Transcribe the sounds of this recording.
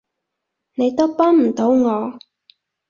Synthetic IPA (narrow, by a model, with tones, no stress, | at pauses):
ne˨˧jt̪o˥wpɔː˥nm̩˨˩t̪o˨˥wŋɔː˨˧